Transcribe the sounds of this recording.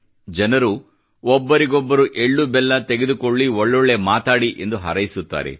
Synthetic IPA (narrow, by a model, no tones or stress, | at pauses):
d͡ʒɐnɐɾu | ɔbːɐɾiɡɔbːɐɾuʔe̞ɭːubɛlːɐt̪e̞ɡed̪ukoɭːiɔɭːɔɭːemaːt̪aːɽiʔe̞̰nd̪uɦɐ̰ɾɐjisut̪ːa̰ːɾḛ